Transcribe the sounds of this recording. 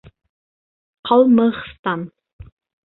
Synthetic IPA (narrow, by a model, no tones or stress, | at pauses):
qʰɑlməχst̪an